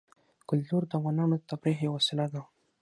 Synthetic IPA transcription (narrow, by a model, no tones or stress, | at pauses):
kʊlt̪uɾd̪awanɑmt̪abɾiɦewasɪlad̪a